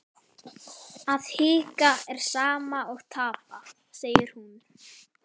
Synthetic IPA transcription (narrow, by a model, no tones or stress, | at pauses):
aðhiːkaɛɾ̥saːmaɔɣt̪ʰaːpa | seːjɪɾ̥hun